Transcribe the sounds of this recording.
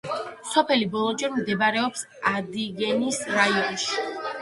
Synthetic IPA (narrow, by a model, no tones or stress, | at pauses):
sɔpʰɛlibɔlˠɔt͡ʃʼɛɾmd̪ɛbaɾɛɔps | ad̪iɡɛnisɾaiɔnʃi̥